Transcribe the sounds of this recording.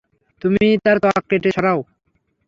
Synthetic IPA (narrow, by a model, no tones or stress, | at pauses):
t̪umit̪aɾt̪ɔkːeʈeʃɔɾao